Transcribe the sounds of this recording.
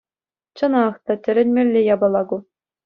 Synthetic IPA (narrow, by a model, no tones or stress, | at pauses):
t͡ɕɤ̆nɑχt̪ɑtʲɘ̆ɾʲɘ̆nʲmʲĕlʲːejɑbɑ̆lˠɑɡu